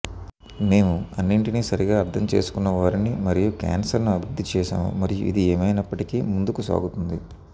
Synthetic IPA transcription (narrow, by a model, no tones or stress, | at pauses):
me̞ːmuɐnːiɳʈiniːsɐɾiɡaːɐɾt̪ʰɐmt͡ʃe̞̰ːsu̥kunːɐʋaːɾinimɐɾijuka̰ːnsɐɾnuɐbʱiɾud̪ːit͡ʃɛːʃa̰ːmṵmɐɾijṵʔḭd̪ieːmɐjnɐpːɐʈikiːmund̪ukusa̰ːɡut̪und̪i